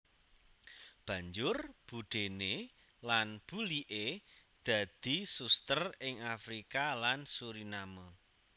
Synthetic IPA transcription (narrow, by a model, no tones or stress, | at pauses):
b̥ä̤ɲd͡ʒʊrb̥uɖ̪̥e̤ne | lanb̥uliʔed̪̥ä̤d̪̥isust̪ərɪŋafɾikalansuɾinamo